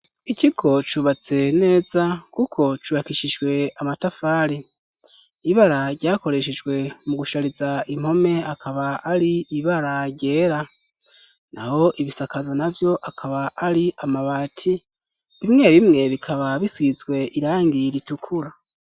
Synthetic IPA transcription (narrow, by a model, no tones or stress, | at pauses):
iciɡo̞t͡ʃuβat͡se̞ne̞ːzakukʰo̞t͡ʃuβakiʃid͡ʒɡwe̞amatafaːɾi | iβaɾaɾɟaːko̞ɾe̞ʃed͡ʒɡwe̞muɡuʃaɾizaim̥ho̞me̞akʰaβaʔːɾiːβaɾaɟɟe̞ːɾa | na̰ho̞ʔiβisakazanavjo̞ʔakʰaβaʔːɾiamaβaːtʰi | βimŋe̞βimŋe̞βikʰaβaβisizɡwe̞ʔiɾaːŋɡiɾitukʰuɾa